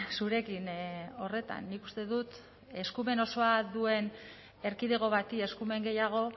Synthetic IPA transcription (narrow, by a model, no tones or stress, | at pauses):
suɾe̞kino̞re̞t̪a̰nːiku̥st̪e̞ðut̪ | e̞skume̞no̞so̞aðue̞n | e̞ɾkiðe̞ɣ̞o̞βat̪ie̞skume̞ŋɡe̞jaɣ̞o̞